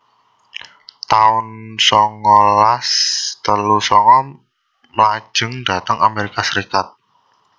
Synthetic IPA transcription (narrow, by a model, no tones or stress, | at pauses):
t̪aʊnsɔŋɔlast̪əlusɔŋɔ | mlḁʒ̥ə̤ŋd̥a̤t̪əŋameɾikasəɾikat̪̚